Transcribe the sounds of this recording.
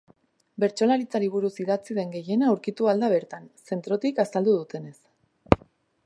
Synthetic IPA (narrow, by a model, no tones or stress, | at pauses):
be̞ɾt͡ʃo̞laɾit͡saɾiβ̞uɾusiðat͡siðe̞ŋɡe̞je̞naːuɾkit̪uald̪aβ̞e̞ɾt̪anse̞nt̪ɾo̞t̪ikasald̪uð̞ut̪e̞ne̞s